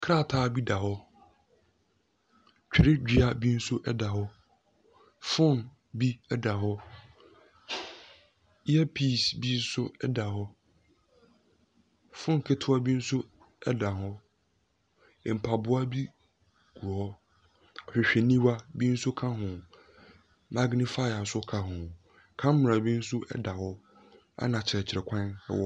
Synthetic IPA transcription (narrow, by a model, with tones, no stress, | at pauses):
kʰɾa˦˨tʰaː˨˦˨bi˦da˨hɔ˦ | t͡ɕᶣɪ˨ɾɪ˦d͡ʑᶣi˨a˦bi˦n̩˦sʊ˦ʔɛ˦da˨hɔ˦ | fʊ̃˦n | bi˦ɛ˦da˨ɦɔ˦ | ɛ˦pʰiː˦˨sbi˦n̩˦sʊ˦ɛ˦da˨ɦɔ˦ | fʊ̃˦n˨kʰɪ˦tʰʊ˦a˦bi˦n̩˦sʊ˦ | ɛ˦da˨ɦɔ˦˨ | m̩˨pʰa˨bʊ˦a˦bi˦ | ɡ̥u˨ɔ˦ | ɔ˨ɕᶣɪ˨ɕᶣɛ˨nĩ˦wa˦bi˦n̩˦sʊ˦kʰã˦ɦʊ̃˨ | ma˦ɡnɪ˦fa˦ɪ˨a˨sʊ˦kʰa˦ɦʊ̃˨ | kʰã˦mm˨ɾa˨bi˦n̩˦sʊ˦ʔɛ̰˦da˨hɔ˦ | a̰˦nã˨t͡ɕʰɪ˨ɾɛ˨t͡ɕʰɪ˨ɾɛ˨kʷʰã˦nɛ̰˦wɔ˦